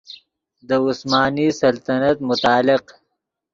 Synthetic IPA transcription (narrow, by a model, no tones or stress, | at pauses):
d̪əʊsmaːnisɐlt̪ɐnɐt̪mʊt̪aːlɪq